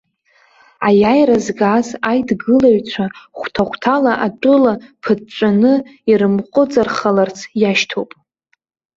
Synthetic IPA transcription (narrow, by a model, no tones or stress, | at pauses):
ajajrazɡazajdɡɨlaɥt͡ɕʷʰaχʷtʰaχʷtʰalaʔatʼʊlapʰɨdt͡ʃʷʼanɨirɨmqʷʼʊd͡zʼarχalart͡sʰjaʃtʰowpʼ